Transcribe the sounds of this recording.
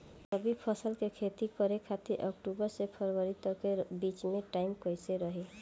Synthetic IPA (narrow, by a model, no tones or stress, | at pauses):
tʌbipʰɔsəlkekʰet̪ikɔɾekʰat̪iʔɔkʈubəɾsepʰɔɾbɔɾit̪ɔkebit͡ʃmeʈajmkɔjseɾɔɦe